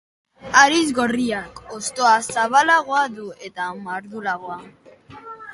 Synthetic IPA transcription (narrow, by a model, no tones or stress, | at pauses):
aɾizɣoriakost̪oasaβalaɣoaðue̞t̪amaɾðulaɣ̞oa